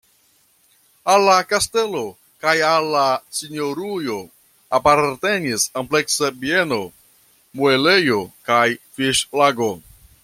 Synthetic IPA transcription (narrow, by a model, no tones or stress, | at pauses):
alːakaste̞lo̞ | kajalːasinoɾujo̞ | apaɾte̞nisample̞ksabie̞no̞ | muele̞jo̞kajfiʃlaɡo̞